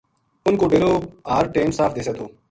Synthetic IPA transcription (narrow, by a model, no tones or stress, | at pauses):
ʊnkoːɖeːɾoːaːɾʈeːnsaːfʰd̪eːset̪ʰoː